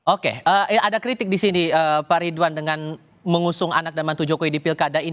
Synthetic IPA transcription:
okḛəːadakɾit̪ɪk̚disiniəpaɾiduandəŋan | məŋusʊŋa̰nak̚danmant̪ud͡ʒokoidipilkadai

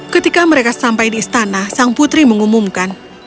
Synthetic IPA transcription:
kət̪ikaməɾekasampajdiːst̪anasaŋput̪ɾiməŋumumkan

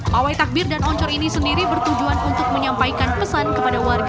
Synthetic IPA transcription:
awajt̪ak̚bɪrdanɔɲt͡ʃɔɾinisəndiɾibərt̪ud͡ʒuanunt̪ʊk̚məɲampajkanpəsankəpadawarɡa

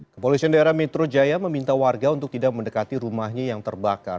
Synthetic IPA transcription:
kəpolisiandaeɾahmɛt̪ɾod͡ʒajaməmint̪awarɡaunt̪ʊk̚t̪idak̚məndəkat̪iɾumahɲajaŋt̪ərbaka̰r

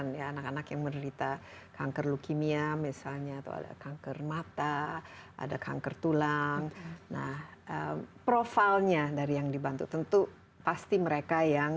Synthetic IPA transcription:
njaanakanakjaŋməndəɾit̪a | kʰaŋkərlukimiamisalɲat̪a̰wa̰da̰kaŋkərmat̪aʔa̰dakʰa̰ŋkərt̪ulaŋna̰hʔəmpɾofalɲadaɾijaŋdibant̪ut̪ənt̪u | past̪iməɾekajaŋ

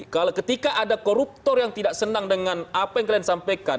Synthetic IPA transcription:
kalawkət̪ikaʔadakoɾup̚t̪ɔrjaŋt̪idaʔsənaŋdəŋanapajaŋkliansampajka

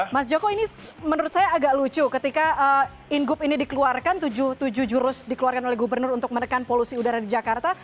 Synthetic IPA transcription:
mas̬d͡ʒokoinimənəɾʊt̪̚sajaːɡaʔlut͡ʃukət̪ikaʔə | inɡʊpinidikəluarkant̪ud͡ʒʊht̪ud͡ʒuhd͡ʒuɾʊsdikəluarkanolɛɦɡubərnʊrunt̪ʊk̚mənəkanpolusiudaɾadid͡ʒakart̪a

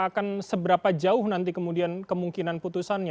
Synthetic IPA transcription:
akansəbəɾapad͡ʒaʊhnant̪̬ikəmudiankəmuŋkinanput̪usanj

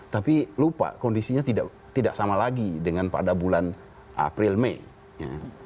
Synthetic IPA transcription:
t̪apilupa̰kɔndisiɲat̪ida̰ʔ | t̪idaʔ̚samalaɡidəŋanpa̰dabulan | ʔa̰pɾɪlmei | ja̰

